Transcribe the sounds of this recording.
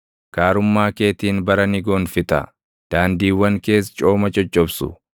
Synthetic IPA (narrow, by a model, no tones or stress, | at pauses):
kaːɾʊmːaːke̞ːt̪iːnbɐɾɐnɪɡoːnfɪt̪ɐ̰ | d̪̥aːnd̪iːwɐŋke̞ːs̬t͡ʃʼo̞ːmɐt͡ʃʼɔt͡ʃʼːɔbsʊ̰